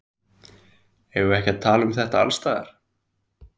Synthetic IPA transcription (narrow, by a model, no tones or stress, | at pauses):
ɛvʏɛhcɛt̪ʰːaːlʏmθɛht̪aa̰lst̪aːɣða̰ɾ̥